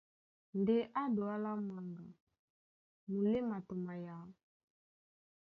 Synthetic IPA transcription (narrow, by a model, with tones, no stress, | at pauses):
nde˦ʔa˦do˨a˦la˦mwa˨ŋɡa˨ | mu˨le˦ma˨to˨ma˨ja˨˦